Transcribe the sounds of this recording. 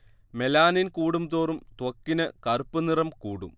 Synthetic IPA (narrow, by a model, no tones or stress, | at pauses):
melaːninkuːɽumt̪oːrumt̪wɐkːinɐkɐrupːɐnirɐmkuːɽṵm